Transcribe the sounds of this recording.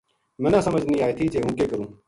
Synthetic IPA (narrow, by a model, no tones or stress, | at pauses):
mɛ̃nãːsəməd͡ʒʱnĩːaːeːt̪ʰiːt͡ʃeːɦũːkeːkəɾũː